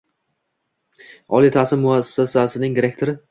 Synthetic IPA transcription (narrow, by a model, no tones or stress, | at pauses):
ɒlit̪ʰasɪmːʊasːasasɪnɪŋd̪ɪɾek̚t̪ʰoɾɪ